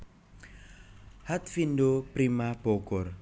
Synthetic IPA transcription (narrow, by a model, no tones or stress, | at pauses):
hat̪̚findopɾimab̥oɡɔr